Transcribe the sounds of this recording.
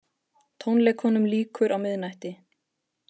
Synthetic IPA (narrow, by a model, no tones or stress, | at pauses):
t̪ʰownlɛːkhɔnʏmliːkʏɾʔawmɪðnajht̪ɪ